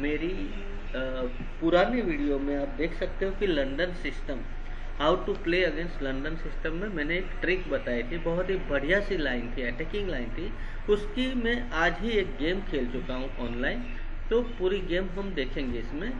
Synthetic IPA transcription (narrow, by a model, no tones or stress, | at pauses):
meːɾi | pʊɾaːneʋiːɽijomẽaːp̚d̪eːkʰsɐk̚t̪eɦõkilɐ̃ɳɖənsɪsʈəm | ɦaːʊʈupleːɐɡẽːnsʈlɐ̃ɳɖənsɪsʈəmːẽmɛ̃ːneeːkʈɾɪkbɐt̪aːit̪ʰibɐɦʊt̪ɦibɐɽ̤ijasilaːɪnt̪ʰiɛːʈɛːkɪ̃ŋɡlaːɪnt̪ʰi | ʊskimɛ̃ʔaːd͡ʒɦieːk̚ɡeːmkʰeːlt͡ʃʊkaɦũʔɔːnlaːɪn | t̪opuːɾiɡeːmɦɐmd̪eːkʰẽːŋɡeɪsmẽ